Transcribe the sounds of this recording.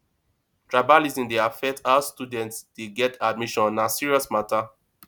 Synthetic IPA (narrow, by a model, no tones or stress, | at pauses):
tɹabalizĩndeafɛk̚tastudɛ̃ntsdeɡɛtʰad̚miʃɔ̃nnasiɹiɔsmata